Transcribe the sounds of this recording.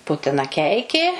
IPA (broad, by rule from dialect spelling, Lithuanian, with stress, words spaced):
ˈpʊtʲɪnɐ ˈkʲɛɪkʲeː